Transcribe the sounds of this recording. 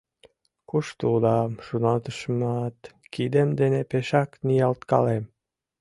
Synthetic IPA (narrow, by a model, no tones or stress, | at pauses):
kuʃt̪ulɑmʃunɑt̪əʃmɑt̪kid̪emd̪enepeʃɑknijɑlt̪kɑlem